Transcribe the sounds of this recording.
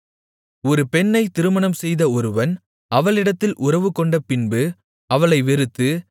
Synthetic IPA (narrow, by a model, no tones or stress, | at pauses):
ɔɾɯpɛnːɐɪt̪ɪɾɯmɐnɐmsɛjðɐɔɾɯʋɐn | ɐʋɐɭɪɽɐt̪ːɪlʔʊrɐʋɯkːɔɳɖɐpɪnbɯ | ɐʋɐɭɐɪʋɛɾɯt̪ːɯ